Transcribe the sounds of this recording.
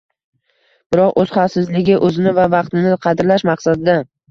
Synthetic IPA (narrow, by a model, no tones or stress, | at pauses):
b̥ɪɾɒqɵz̥χɑfsɪzlɪɡʲɪʔɵzɪnɪvavɑqt̪ɪnɪqʰɑd̪ɾlaʃmɑqsad̪ɪd̪a